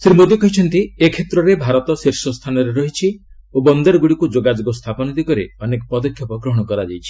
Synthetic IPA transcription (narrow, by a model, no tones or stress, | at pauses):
sɾimod̪ikɔɦit͡ʃʰɔnt̪iekʰet̪ɾɔɾebʱaɾɔt̪ɔsiɾsɔst̪ʰanɔɾeɾɔɦit͡ʃʰi | obɔnd̪ɔɾɔɡuɽikud͡ʒoɡad͡ʒuɡɔst̪ʰapɔnɔd̪ikɔɾḛɔnekɔpɔd̪ɔkʰːjɔpɔɡɾɔɦɔɽ̃ɔkɔɾad͡ʒajt͡ʃʰi̥